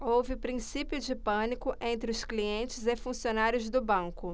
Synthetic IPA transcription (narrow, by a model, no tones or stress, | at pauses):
owvɪpɾĩsipjʊd͡ʒɪpɐ̃nikʊʔẽnt̪ɾɪʊskliẽnt͡ʃɪzɪfũsionaɾjʊzd̪ʊbɐ̃kʊ